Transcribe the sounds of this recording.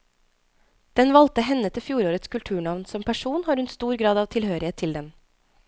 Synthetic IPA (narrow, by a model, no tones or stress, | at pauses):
d̪̥ɛnʋɑlt̪əɦɛnːət̪ʰɪfjuːɾoːɾət̪skʉlt̪ʰʉːɳɑʋnsɔmpʰæʂuːnhɑːɾʉnst̪uːɾɡɾɑːd̪ɑːʋt̪ʰɪlhøːɾɪheːt̪ʰːɪld̪ɛm